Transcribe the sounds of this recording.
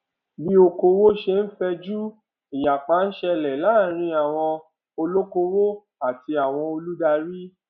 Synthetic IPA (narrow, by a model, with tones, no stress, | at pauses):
bi˦o˧ko˧wo˦ʃe˧n̩˦fɛ˧d͡ʒu˦ | i˨ja˨k͡pã˨˦n̩˦ʃɛ˧lɛ˨la˨˦˨ɾ̃ĩ˧˦a˨w̃ɔ̃˧ | o˧lo˦ko˧wo˦ | a˨ti˧a˨w̃ɔ̃˧o˧lu˦da˧ɾi˦